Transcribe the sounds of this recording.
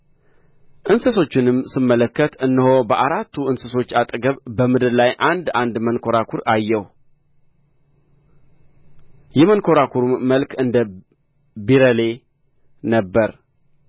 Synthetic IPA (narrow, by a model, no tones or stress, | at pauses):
ʔɨnsəso̞t͡ʃːɪnɨmsɨmːələkːət̪ɨnːɨhobəʔaɾat̪ʰːuɨnsəso̞t͡ʃːat̪ʼɡəβbəmɨd̪ɨɾlajʔand̪and̪mənkʰo̞ɾakʰuɾajːɛh | jɛmənkʰo̞ɾakʰuɾumːəlkɨnd̪ə | biɾəle̞ | nəbːəɾ